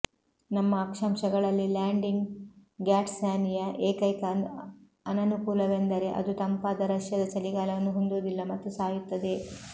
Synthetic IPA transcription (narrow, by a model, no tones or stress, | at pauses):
nɐmːɐːkʂɐmʃɐɡɐɭɐlːilaːɳɖiŋɡɡaːʈsaːnijɐʔeːkɐjkɐ | ɐnɐnukuːlɐʋend̪ɐɾe̞ʔɐ̰d̪ut̪ɐmpaːd̪ɐɾɐʂjɐd̪ɐt͡ʃɐliɡaːlɐʋɐnːuɦond̪oːd̪ilːɐmɐt̪ːusaːjut̪ːɐd̪e̞